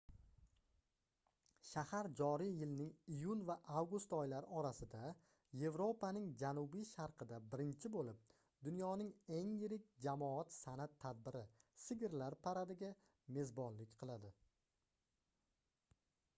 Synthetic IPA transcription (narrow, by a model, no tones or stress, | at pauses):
ʃahaɾd͡ʒɒɾijjɪlnɪŋijʊnvaʔavɡʊst̪ɒjlaɾɪɒɾasɪd̪a | je̞vɾo̞pʰanɪŋd͡ʒanʊbijʃaɾqʰɨd̪abɪɾɪnt͡ʃʰɪbolɪp̚ | d̪ʊnjɒnɪŋe̞ŋjɪɾɪkʲd͡ʒamɒat̪sanat̪ʰːad̪̚bɪɾɪsɪɡʲɪɾlaɾpʰaɾad̪ɪɡʲa | me̞zbɒnlɪkʲqʰɨlˠad̪ɪ